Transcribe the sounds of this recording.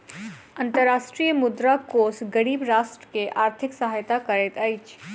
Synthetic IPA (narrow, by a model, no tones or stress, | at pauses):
ɐ̃nt̪əɾaːʃʈɾijmʊd̪ɾakoːsɡɐɽ̃iːbɾaːʃʈɾəkeʔaːɾt̪ʰɪksɐɦaːjt̪akɐɾeːt̪ɐjɪt͡ʃ